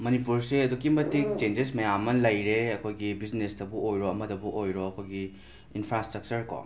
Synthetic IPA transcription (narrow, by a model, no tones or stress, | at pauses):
mɐnipuɾseɐdukimɐtik̚t͡ʃend͡ʒesmɐjamɐnlɐjɾeɐkʰojɡibid͡ʒnestɐbuojɾoɐmɐdɐbuʔojɾoɐkʰojɡi | inpʰɾastɾɐk̚t͡ʃɐɾko̰